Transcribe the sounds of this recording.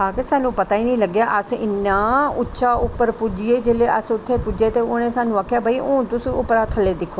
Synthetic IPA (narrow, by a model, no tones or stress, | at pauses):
aːkɪsaːnũːpət̪aːiːnĩːləɡjaːʔəsɪ̰nːaːʊtːʃaːʊpːəɾpud͡ʒieːd͡ʒeːleːʔəsʊt̪ʰːeːpʊd͡ʒeːt̪eːʊñẽːsaːnũːaːkʰjaːbaːiʔõːt̪ʊsĩːʊpɾaːt̪ʰəleːd̪ɪkʰːoː